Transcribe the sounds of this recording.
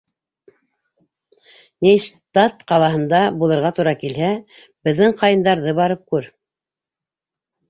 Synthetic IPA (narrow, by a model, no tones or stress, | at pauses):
niʃt̪ɑt̪qɑlˠɑɦɤ̆nd̪ɑbulˠɤ̆ɾʁɑt̪uɾɑkilɦæ | bɘ̆ðːɘɴqɑjɤ̆nd̪ɑɾðɤβɑɾɤp̚kʉɾ